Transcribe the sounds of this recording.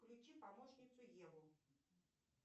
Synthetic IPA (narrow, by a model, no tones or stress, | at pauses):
klʲut͡ɕipamɔʂnʲit̪sʊjɛlʊ